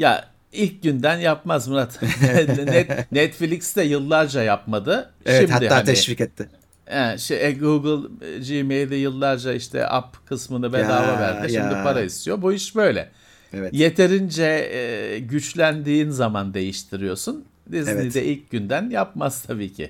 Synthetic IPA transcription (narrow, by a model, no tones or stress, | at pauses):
ja̰ | ilʲc̚ɟynd̪ænjapmazmɯɾat̪nɛt̪nɛt̪filʲicst̪ɛjɯlˠːaɾd͡ʒajapmad̪ɯ | ʃimhat̪d̪ɪh̪ːaanʰɛʃvikɛt̪ʰːɪ | ɛʃɛʔɛɡuɡɯlˠd͡ʒimejd̪ɛjɯlˠːaɾd͡ʒaiʃt̪ʰɛ̰ʔa̰pkʰɯsmɯnɯbed̪aːvavæɾd̪iʃimd̪ipʰaɾaist̪ʰijobuiʃbø̞jlʲɛ̰ | evɛtje̞t̪ʰe̞ɾind͡ʒɛ | ɟyt͡ʃlʲænd̪iːnzamand̪e̞jiʃt̪ʰiɾijo̞sun | d̪iznid̪ɛʔilʲc̚ɟynd̪ænjap̚maz̥t̪ʰabiːcʰɪ̰